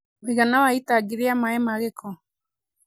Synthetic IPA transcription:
weɣanawaitaɡiɾeamaɛmaɣekɔ

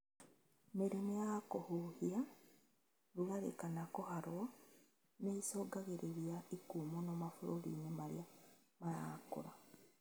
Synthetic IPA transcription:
meɾimiakohuhia | ɾuɣaɾḛkanakohaɾwo | neisoɡaɣeɾeɾjaikuːmonomafuɾulḭːnemaljamaɾakṵɾa

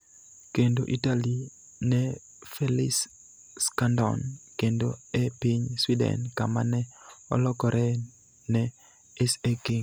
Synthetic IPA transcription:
kendoʔitali | nɛ | fɛlis | skandɔ̰nkendoepiɲswidɛ̰nkama̰nɛɔ̰lɔkɔɾʔɛ | nɛ | ɛsekiŋ

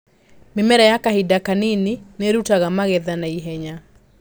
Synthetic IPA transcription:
memɛɾajakahidakaninineɾutaɣamaɣɛðanaiɦɛɲa

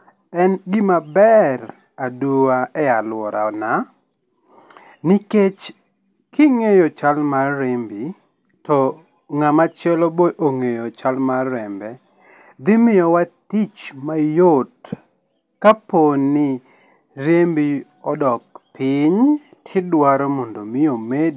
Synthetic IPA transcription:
ɛnɡimabɛɾ | aduwaɛalwɔɾʔa̰na | niket͡ʃ | kɪŋejɔt͡ʃalmaɾembi | tɔ | ŋamat͡ʃɛlɔboʔoŋejɔt͡ʃalmaːɛmbɛ | d̪ɪmɪjɔwatit͡ʃmajot | kaponːɪ | ɾembi | ɔdɔkpɪɲ | tʰɪdwaɾɔmondomɪjomed

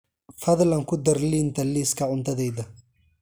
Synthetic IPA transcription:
fɐðˤlɐŋkʰʊd̪ɐrliːnt̪ʰɐlːiːskʰɐʕʊnt̪ʰɐðɛjðɐ

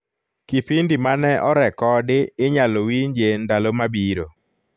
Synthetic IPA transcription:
kipindimanɛʔɔɾɛkɔdɪːɲalowiɲd͡ʒendalomabiɾo

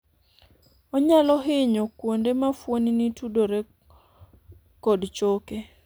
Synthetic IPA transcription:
ɔɲalɔɦɪɲɔkwondemafwoninitudoɾe | kɔdt͡ʃoke

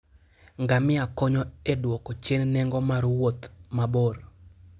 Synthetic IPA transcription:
ŋɡamɪakɔɲɔedwɔkɔt͡ʃennɛŋɡɔmarwot̪mabor

